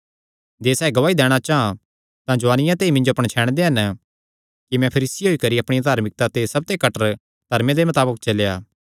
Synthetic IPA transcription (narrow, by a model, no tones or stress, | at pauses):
d͡ʒeːsɛːeɡɐʋaːid̪ɛːɽ̃at͡ʃaːɦã | t̪ãd͡ʒʊʋaːnɪjãt̪eːimɪ̃nd͡ʒoɐpəɽ̃t͡ʃʰɛːɽ̃d̪eɦɐn | kimɛ̃pʰɐɾiːsiɦoikɐɾiɐpɽ̃ijad̪ʱaːɾmɪk̚t̪at̪esɐb̚t̪ekɐʈəɾ | d̪̥ʱɐɾmẽd̪emɐt̪aːbək̚t͡ʃɐlejaː